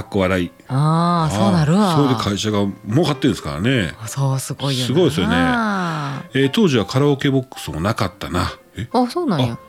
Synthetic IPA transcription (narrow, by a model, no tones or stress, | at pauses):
akːoβaɾai | asoːnaɾɯsod̪ekʰaiɕaɡamoːkat̪ːẽ̞ñsɨ̥ka̰ɾa̰ne̞soːsɨɡoisɨɡo̞isɨjone | et̪o̞ːʑiβ̞akʰaɾaoke̞bo̞kːɯ̥sɨmo̞nakat̪ːana | easoːnãjo